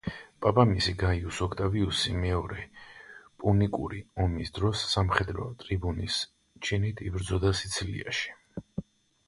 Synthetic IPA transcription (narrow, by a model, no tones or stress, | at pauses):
pʼapʼamisiɡaiusɔkʰt̪ʼaviusimɛɔɾɛ | pʼunikʼṵɾiɔmisd̪ɾɔsːamχɛd̪ɾɔ̰t̪ʼɾibunis | t͡ʃʰinit̪ʰibɾd̪zɔd̪asit̪sʰilḭa̰ʃi̥